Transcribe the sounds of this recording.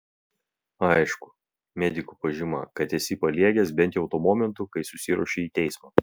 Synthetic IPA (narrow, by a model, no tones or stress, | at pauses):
ɐɪʃkʊ̥ | mʲɛd̪ʲɪkupɐʒʲɪmɐ̰kɐt̪ɛsʲɪpɐlʲiɛɡʲɛsbʲɛnt̪jɔʊt̪oːmɔːmʲɛnt̪ukɐɪsʊsʲɪɾṵɔʃʲeiːt̪ʲɛɪsmɑː